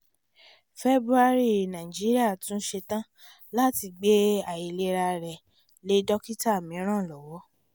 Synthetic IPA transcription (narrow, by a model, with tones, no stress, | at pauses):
fe˦bɾu˦a˧ɾi˦˨nã˨ĩ˨d͡ʒi˦ɾi˦a˦˨tũ˦ʃe˧tã˦ | la˦ti˧ɡ͡be˦a˨ji˨le˧ɾa˧ɾɛ˨ | le˦dɔ˦ki˦ta˦˨mĩ˨˦ɾ̃ã˦˨lɔ˨wɔ˨˦